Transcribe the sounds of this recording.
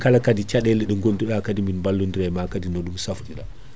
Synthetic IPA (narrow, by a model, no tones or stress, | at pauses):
kalakadit͡ʃaɗɛliɗəŋɡonduɗakadiminmbalːunduɾajmakadinɔɗumsafɗiɗa̰